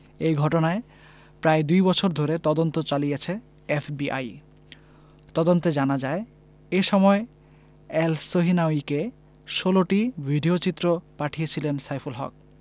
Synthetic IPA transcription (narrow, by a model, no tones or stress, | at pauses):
ejɡʱɔʈonae | pɾaed̪ujbɔt͡ɕʰoɾd̪ʱoɾet̪ɔd̪ont̪ot͡ɕalijet͡ɕʰe | efbiʔa̰j | t̪ɔd̪ont̪ed͡ʑanad͡ʑae | eʃɔmɔe | elsoɦinaoike | ʃoloʈibʱiɖiot͡ɕit̪ːɾopaʈʰijet͡ɕʰilensajpʰolɦɔ̰k̚